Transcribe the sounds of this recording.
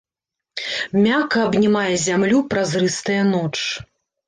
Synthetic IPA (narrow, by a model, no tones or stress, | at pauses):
mʲakɐːbnʲimajɛzʲamlʲupɾazrɨst̪ɐjɐnɔt͡ʂ